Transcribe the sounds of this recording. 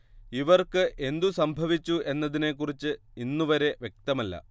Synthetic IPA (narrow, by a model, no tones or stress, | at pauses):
iʋɐrkɨʔe̞nd̪usɐmbʱɐʋit͡ɕːuʔe̞nːɐðine̞kːurit͡ɕːɨ | inːuʋɐɾe̞ʋje̞k̚t̪ɐmɐlːɐ̰